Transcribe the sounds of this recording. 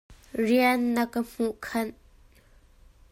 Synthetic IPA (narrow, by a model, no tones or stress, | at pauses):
rianːɐkəm̥uʔkʰɐn